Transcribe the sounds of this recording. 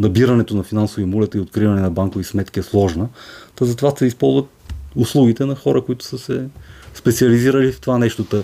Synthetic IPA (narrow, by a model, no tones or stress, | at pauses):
nɐbiɾɐnɛt̪onɐfinansoviɐmulɛt̪əiot̪̚kɾivɐnɛnɐbaŋkovismɛt̪kiɛslˠɔʒnət̪ɐzɐt̪ovaʃt̪sɛispɔlˠzvət̪̚ʊslˠuɡit̪ɛnɐxɔɾəkoit̪ʊ̥səsɛspɛt̪siɐliziɾəlift̪ovanɛʃt̪ot̪ə